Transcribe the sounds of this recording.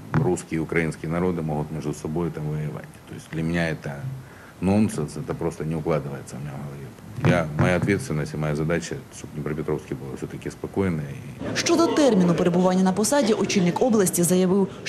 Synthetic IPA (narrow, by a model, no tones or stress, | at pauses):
ruskʲɪjiʊkɾɐjinskʲɪənɐɾo̞d̪ɨmoɦʊt̪mʲeʐd̪ʊsɐbo̞jʊt̪amvɐəjɪʋa̰tʲt̪ojɪsʲtʲd̪lʲɐmʲɪnʲaɛt̪ə | nonsənsɛt̪əpɾost̪ənʲɪʊklˠad̪ɨʋəjɪt̪səmʲnʲaɦɐlˠɐjʲit̪jamɐjaɐt̪ʋʲet̪st̪vʲɪnːəsʲtʲɪmɐjazɐd̪at͡ɕɐʂt̪obnʲɪpɾɐpʲɪt̪ɾofskʲɪbɨlˠɐfsʲot̪ɐkʲɪspɐko̞jɪnɐjəḭʃt͡ʃɔd̪ɔt̪ɛrmʲinʊpeɾebʊʋanʲːɐnɐpɔsɑdʲiʔʊt͡ʃilʲnɪkɔblˠɐsʲtʲizɐjɐʋɪw